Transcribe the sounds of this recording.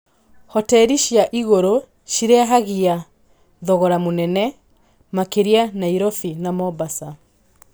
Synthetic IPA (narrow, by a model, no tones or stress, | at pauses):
hɔtɛɾiɕjaʔiɣoɾo | ʃiɾeaɦaɣia | ðɔɣɔɾamonɛnɛ | makeɾianaiɾɔfinamɔbasa